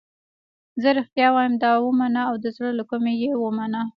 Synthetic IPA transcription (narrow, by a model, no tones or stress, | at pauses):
zəɾɪxt̪jɑwɑjəmd̪ɑwəmanaawd̪əzɽəlakumejewəmana